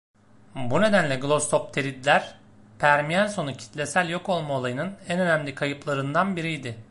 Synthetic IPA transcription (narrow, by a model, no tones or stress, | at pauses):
bune̞d̪ænlʲɛɡlˠo̞st̪ʰo̞p̚t̪ʰeɾʲid̪lʲæɾ | pʰæɾmijæɾso̞nucʰi̥t̪ʰlʲe̞sælʲjo̞kʰo̞lˠmaolˠajɯnɯnænø̞næmlʲikʰajɯplˠaɾɯnd̪anbiɾijd̪ɪ